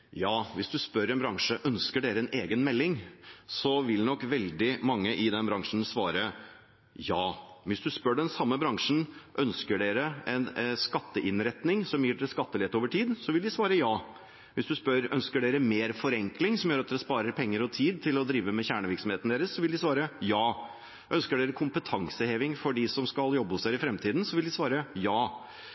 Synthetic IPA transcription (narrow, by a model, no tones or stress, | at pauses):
jɑːʋɪsd̪ʉspœɾɛnbɾɑŋʂəʔœnskəɖeːɾəɛneːɡənmɛlːɪŋsɔʋɪlnɔkːʋɛld̪ɪmɑŋːəʔɪd̪ɛnbɾɑŋʂn̩sʋɑːɾə | jɑːʋɪsd̪ʉspœɖɛnsɑmːəbɾɑŋʂn̩ʔœnskəɖeːɾəɛnskɑt̪ːəʔɪnɾɛt̪nɪŋsɔmjiːɖɛɾskɑt̪ːəlɛt̪oːʋəʈʰiːd̪sɔʋɪld̪ɪsʋɑːɾəjɑː | ʋɪsd̪ʉspœɾœnskəɖeːɾəmeːɾfɔɾɛŋklɪŋsɔmjøːɾɑt̪d̪ɛɾəspɑːɾəɾpʰɛŋːəɾɔt̪ʰiːd̪̚t̪ʰɪlɔd̪ɾiːʋəmɛçæːɳəʋɪɾksɔmheːt̪n̩d̪eːɾəsːɔʋɪld̪ɪsʋɑːɾəjɑː | ʔœnskəɖeːɾəkʰʊmpət̪ʰɑŋsəheːʋɪŋfɔɖɪsɔmskɑljɔbːəʊsd̪eːɾəɪfɾɛmt̪ʰiːd̪nsɔʋɪld̪ɪsʋɑːɾəjɑː